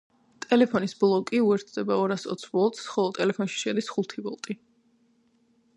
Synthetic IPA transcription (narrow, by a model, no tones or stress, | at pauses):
t̪ʼɛlɛpʰɔnisblˠɔkʼiuɛɾt̪ʰd̪ɛbaɔɾasɔ̰t̪sʰbɔlˠt̪ʰʼsχɔlˠɔt̪ʼɛlɛpʰɔnʃi̥ʃɛd̪isχulˠt̪ʰibɔlˠt̪ʼi